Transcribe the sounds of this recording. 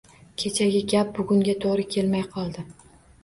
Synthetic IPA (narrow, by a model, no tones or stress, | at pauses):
kʲʰe̞t͡ʃʰaɡʲɪɡʲap̚bʊɡʲʊŋɡʲat̪ʰoʁɾɪkʲʰe̞lmajqʰɒlˠd̪ɪ